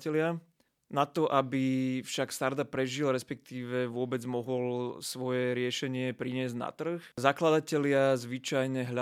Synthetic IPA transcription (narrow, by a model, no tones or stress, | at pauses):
ɛlɪa | nat̪ɔʔabifʃakst̪aɾd̪apːɾɛʒilɾɛspɛk̚t̪iːʋɛʋʊɔbɛd͡zmɔɦɔlsʋɔjɛɾɪɛʃɛɲɪɛpɾiɲɪɛzɟna̰t̪r̩xzaklad̪acɛlɪazʋit͡ʃajɲɛɦʎa